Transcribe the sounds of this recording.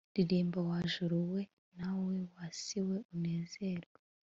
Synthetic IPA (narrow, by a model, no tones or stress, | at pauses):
diɗembawaʒuɾuwe | nawewasiweʔunenzeːrwa